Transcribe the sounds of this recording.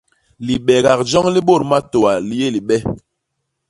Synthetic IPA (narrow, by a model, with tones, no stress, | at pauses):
li˨ɓɛ˨ɣa˨k̚d͡ʒɔ˦ŋli˦ɓo˦˨ɾma˦to˨wa˨li˦je˦li˨ɓɛ˦